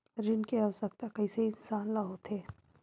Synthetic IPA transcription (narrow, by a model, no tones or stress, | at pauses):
ɾɪnkeasək̚t̪akɐiseiɪnsaːnlaɦot̪eː